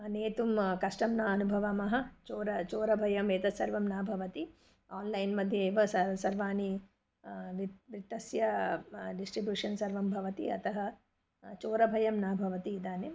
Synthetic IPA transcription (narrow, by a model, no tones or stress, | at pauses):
ɐneːt̪umkɐʂʈɐmnaːɐnubʱɐʋɐmɐɦɐ̆t͡ʃoːɾɐt͡ʃoːɾɐbʱɐjɐmʋeːt̪ɐsɐɾʋɐmnaːbʱɐʋɐt̪i | aːnlɐjnmɐd̪ʱjɐːʋɐsɐsɐɾʋaːni | ʋiʋit̪ːɐsjɐɖisʈɾibjuːʂɐnsɐɾʋɐmbʱɐʋɐt̪ḭɐ̰t̪ɐɦɐ | t͡ʃoːɾɐbʱɐjɐmnaːbʱɐʋɐt̪iːd̪aːnjɐm